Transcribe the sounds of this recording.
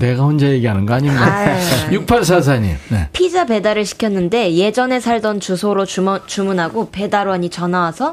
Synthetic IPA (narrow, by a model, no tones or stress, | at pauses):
ne̞ɡaɸond͡ʑajeɡiɦanɯnɡaaɲinɡajuk̚pʰaɭs̬ʰas̬ʰaɲḭmnḛpʰid͡ʑape̞daɾɯɭɕʰi̥kʰjʌnːɯnde̞je̞d͡ʑʌne̞sʰaɭdʌnt͡ɕusʰoɾot͡ɕumunɦaɡope̞daɾwʌɲit͡ɕʌnawasʰʌ